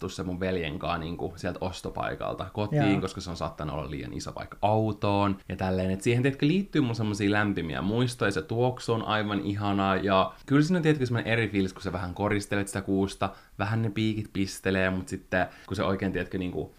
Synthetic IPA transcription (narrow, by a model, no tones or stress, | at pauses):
t̪ussemːuʋʋeljḛŋkɑ̰ːnniːŋkusiɛælt̪ʔost̪opɑ̰ikɑ̰lt̪ɑkot̪iːŋkoskɑseonsɑ̰ːt̪ːɑnuo̰lːɑ̰lḭːjɑ̰nḭso̰pɑ̰ikːɑwt̪oːnjɑt̪ælːeːnet̪siːhent̪iet̪køliːt̪ːyːmunsemːosiːlæmpimḭæ̰muist̪ojɑset̪uoksuonʔɑ̰iʋɑnʔiɦɑnɑjɑkylsiːnont̪ieæt̪kysemːonḛʔerifilsku̥seʋæhæŋkorist̪elet̪si̥t̪ækuːst̪ɑ | ʋæɦænnepiːkit̪pist̪eleːmut̪sit̪ːekuseʔoikeːnt̪iet̪kyniːŋkṵ